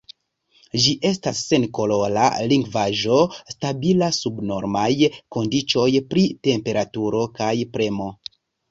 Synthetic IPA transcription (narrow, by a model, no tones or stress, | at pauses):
d͡ʒiʔe̞stasːe̞nko̞lo̞la̰liŋɡvaʒo̞stabilasubno̞ɾmajko̞ndit͡ʃo̞jpɾite̞mpe̞ɾatuɾo̞kajpɾe̞mo̞